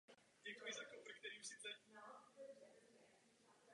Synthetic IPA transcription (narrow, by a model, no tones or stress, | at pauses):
ɟɛkujɪzakobɾk̚t̪ɛɾiːmsɪzɛ